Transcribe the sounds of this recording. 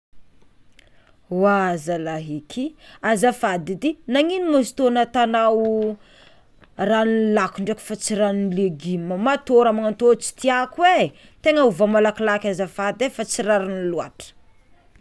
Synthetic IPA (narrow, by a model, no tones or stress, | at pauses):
wazalaɦikʰiazafad̪id̪inaŋinimozi̥t̪onat̪anaw | ranlakuɳɖ͡ʐeki̥fat͡siɾannleɡiməmat̪oɾamaŋant̪ot͡ʃi̥t̪iakwe | t̪eŋəuvamalakilakʲazafad̪efat͡siɾaɾinilua̰ʈ͡ʂə̥